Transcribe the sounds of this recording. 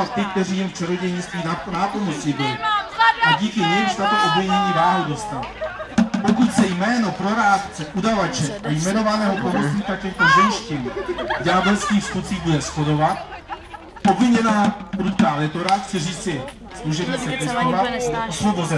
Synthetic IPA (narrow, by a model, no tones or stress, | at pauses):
att̪ːɪk̚t̪ɛriːjɛmft͡ʃɛɾoɟɛjɲist̪viːnapomot͡sibɪlɪʔaɟiːkɪɲɛjst̪at̪uʔobvɪɲɛɲiːvaːɦudost̪al | pokut̪sɛjmɛːnopɾoɾaːt̪t͡sɛʔudavat͡ʃɛʔajmɛnovanɛːɦopomot͡siːt̪akɛxt̪ozɛjʃcɛnɟaːbɛlskiːxsxut͡siːbudɛsxodovat̪̚ | ʔobvɪɲɛnaːɾut̪kaːlɛt̪oɾaxt͡sɛriːt͡sɪ | sluʒɛbɲisɛɛst̪ovaslobozɛ